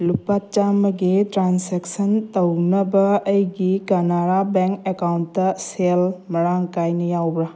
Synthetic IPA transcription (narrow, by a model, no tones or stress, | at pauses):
lupat͡ʃamɐɡetɾanseksəntɐwnɐbɐːjɡikanaɾabeŋkekawntɐselmɐɽaŋkajnijawbɾa